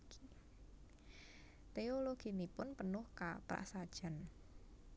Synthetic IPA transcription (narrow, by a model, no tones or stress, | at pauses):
t̪eoloɡ̥i̤nipʊnpənʊhka̰pɾa̰ʔsad̥ʒ̥a̤n